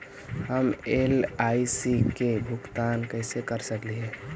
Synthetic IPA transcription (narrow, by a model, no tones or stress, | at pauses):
həmelaisikebʱʊkt̪ankəɪsekəɾsəkliɦɛ